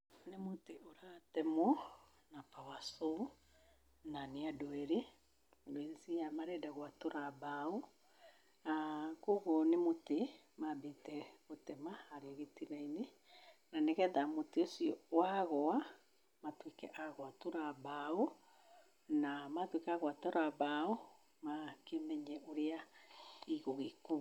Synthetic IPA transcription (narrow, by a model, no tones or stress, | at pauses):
nemoteʔoɾatɛmo | napawaso | naniadoɛɾe | doeɾesiamaɾɛdaɣwatoɾabao | akoɣonemote | mabetɛɣotɛmahaɾeoɣetinaine | naneɣɛðamoteosiɔwaɣɔa | matwekɛ̰ʔaɣwatoɾabao | namatwekaɣwatoɾabao | makemɛɲɛʔoɾea | iɣoɣeku